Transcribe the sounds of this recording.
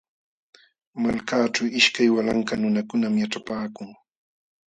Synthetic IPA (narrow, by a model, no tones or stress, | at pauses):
malkaːt͡ʃawɪʃkajwalaŋkanʊnakʊnamjaʈ͡ʂapaːkʊŋ